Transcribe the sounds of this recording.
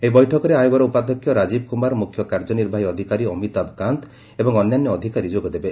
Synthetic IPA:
eibɔjʈʰɔkɔɾeajoɡɔɾɔupad̪ɔkʰːjɔɾad͡ʒibkumaɾmukʰjɔkaɾd͡ʒɔniɾbʱaɦiɔd̪ʱikaɾiɔmit̪abkant̪ | ebɔŋɔnjanjɔːd̪ʱikaɾid͡ʒoɡɔd̪ebe

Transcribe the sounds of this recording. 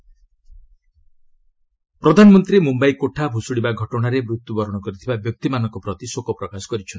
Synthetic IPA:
pɾɔd̪ʱanɔmɔnt̪ɾiemumbajkoʈʰabʱusuɽibaɡʱɔʈɔɽ̃aɾemɾut̪ːubɔɾɔɽ̃ɔkɔɾit̪ʰibabjɔk̚t̪imanɔ̃ŋkɔpɾɔt̪isokɔpɾɔkasɔ̥kɔɾit͡ʃʰɔn

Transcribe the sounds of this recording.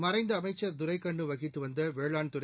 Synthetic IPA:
mɐɾɐɪnd̪ɐːmɐɪt͡ʃːɐɾd̪ʊɾɐɪkːɐɳɖɯʋɐɣɪt̪ːɯʋɐnd̪ɐʋeːɭaːɳt̪ʊɾɐ

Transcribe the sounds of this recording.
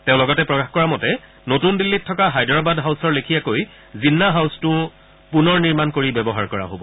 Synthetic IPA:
tẽʊ̃lɔɡɔtɛpɹɔkaxkɔɹamɔtɛ | notundilːitʰːɔkaɦajdɹabadɦawsɔɹlekʰijakoj | zinːaɦawstʊ̃ | punɔɹniɹmankoɹibɛbɔɦaɹkɔɹa̰ɦobɔ

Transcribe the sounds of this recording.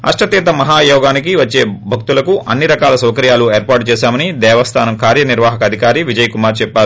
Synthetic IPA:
ɐ̰ʂʈʰɐt̪ɛːt̪ɐmɐɦaːjɔːɡaːnikiʋɐt͡ʃːeːbʱɐk̚t̪ulɐkuʔɐnːiɾɐkaːlɐsɐwkɐɾjaːlueːɾpaːɾʈ̚t͡ʃɛːsaːmɐnid̪ɛːʋɐst̪ʰaːnɐmkaːɾjɐniɾʋaːɦɐkɐd̪ʱikaːɾiʋid͡ʒɐjkumaːɾt͡ʃɛpːaːɾu

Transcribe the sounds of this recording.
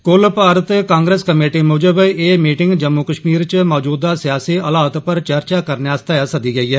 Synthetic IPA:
kʊlpaːɾət̪kãːŋɡɾeːskəmeːʈiːmʊd͡ʒəbeːmiːʈɪŋɡd͡ʒəmːuːkəʃmiːɾt͡ʃmɔːd͡ʒuːd̪aːsɪjaːsiːəlaːt̪pəɾt͡ʃəɾt͡ʃaːkəɾnaːst̪aːjaːsəd̪iːɡəiːɛː

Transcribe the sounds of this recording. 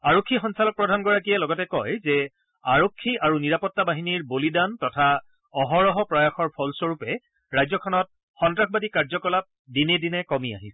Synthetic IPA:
aɹokʰːixɔnsalɔk̚pɹɔdʱanɡɔɹakijɛlɔɡɔtɛkɔjzɛ | aɹokʰːiʔaɹuniɹapɔtːabaɦiniɹbolidantɔtʰa | ɔɦɔɹɔɦɔpɹajaxɔɹpʰɔlsɔɹupɛ | ɹajzɔkʰɔnɔt̚ | xɔntɹaxʰbadikaɹzɔkɔlap̚dinedinɛkɔmia̰ɦisɛ

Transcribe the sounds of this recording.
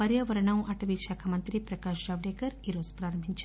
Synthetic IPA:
pɐɾjɐʋɐɾɐɳɐmʔɐʈʰɐʋiʃaːkʰɐmɐnt̪ɾipɾɐkaːʃd͡ʒaːʋɖeːkɐɾiɾoːspɾaːɾɐmbʱiɲt͡ʃ

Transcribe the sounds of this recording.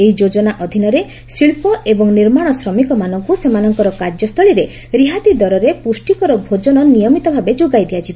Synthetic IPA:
eɦid͡ʒod͡ʒɔnaʔɔd̪ʱinɔɾe | siɭpɔebɔŋniɾmaɽ̃ɔsɾɔmikɔmanɔŋkusemanɔŋkɔɾɔkaɾd͡ʒɔst̪ʰɔɭiɾe | ɾiɦat̪id̪ɔɾɔɾepusʈikɔɾɔbʱod͡ʒɔnɔnijɔmit̪ɔbʱabed͡ʒoɡajd̪ʱiat͡ʃʰibɔ

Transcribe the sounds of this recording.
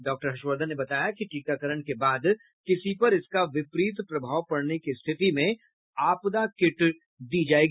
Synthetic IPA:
ɖɔːk̚ʈəɾɦɐʃwəɾd̪ʱənːebɐt̪aːjakiʈiːkakəɾəɽkebaːd̪ | kɪsipɐɾɪskaʋɪpɾiːt̪pɾɐbʱaːwpɐɽnekist̪ʰɪt̪imẽ | aːpd̪akɪʈ | d̪iːd͡ʒaːeːɡ

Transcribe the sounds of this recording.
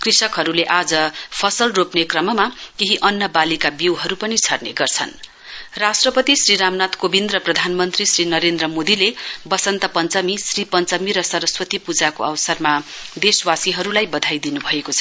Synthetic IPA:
krisʌkɦʌɾuleʔad͡zʌpʰʌsʌlropnekrʌmʌmakeɦiʔʌnːʌbalikabiwɦʌɾupʌnit͡sʰʌrneɡʌrt͡sʰʌ̰n | rasʈrʌpʌt̪isriɾamnat̪kobind̪rʌprʌd̪ʱanmʌnt̪risrinʌɾend̪rʌmod̪ilebʌsʌnt̪ʌpʌnt͡sʌmisripʌnt͡sʌmiɾʌsʌɾʌswʌt̪ipud͡zakoʌwsʌrmad̪eswasiɦʌɾulajbʌd̪ʱajd̪inubʱʌekot͡sʰʌ

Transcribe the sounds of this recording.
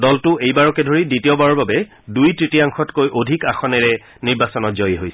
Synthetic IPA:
dɔltʊejbaɹɔkɛdʱoɹiditiɔbaɹɔɹbabɛ | dujtɹitiaŋxɔtkojʔodʱikaxɔnɛɹɛ | niɹbasɔnɔtzɔjiɦojsɛ̥

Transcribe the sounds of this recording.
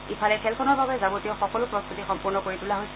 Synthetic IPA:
ipʰalɛkʰɛlkʰɔnɔɹbabɛzabutijɔxɔkɔlʊpɹɔstutixɔmpuɹnɔkoɹitulaɦojs

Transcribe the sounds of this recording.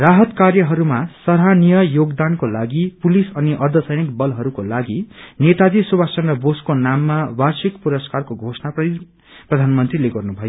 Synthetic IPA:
raɦʌt̪karjʌɦʌɾumasʌɾɦanijʌjoɡd̪ankolaɡipulisʌniʔʌrd̪ʱʌsʌjnikbʌlɦʌɾukolaɡinet̪ad͡zisubasʌnrʌboskonamːawarsikpuɾʌskarkoɡʱosnaprʌi | prʌd̪ʱanmʌnt̪rileɡʌrnubʱʌjo

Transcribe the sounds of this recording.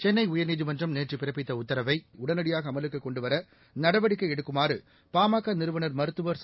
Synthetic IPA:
t͡ʃɛnːɐɪʊjɐɾniːðɯmɐndrɐmneːʈripɪɾɐpːɪt̪ːɐʊt̪ːɐɾɐʋɐɪʊɽɐnɐɽɪjaːɣɐːmɐlɯkːɯkːɔɳɖɯʋɐɾɐ | nɐɽɐʋɐɽɪkːɐɪɛɽɯkːɯmaːɾɯ | paːmaːkːanɪɾɯʋɐnɐɾmɐɾɯt̪ːɯʋɐɾs

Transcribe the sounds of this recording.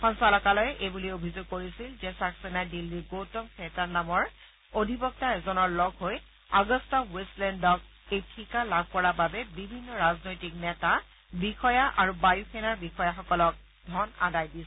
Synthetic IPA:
xɔnsalɔkalɔjʔebuliobʱizoɡ̚koɹisilzɛsaksenadilːiɡowtɔmkʰɛtanamɔɹ | odʱibɔk̚taɛzɔnɔɹlɔɡʱɦoj | aɡɔstɔweslɛndɔk̚ | ejtʰikalab̚ʱkɔɹababɛbibʱinːɔɹaznojtik̚nɛta | bixɔjaʔaɹubajuxɛnaɹbixɔjaxɔkɔlɔk̚ | dʱɔna̰dajdis

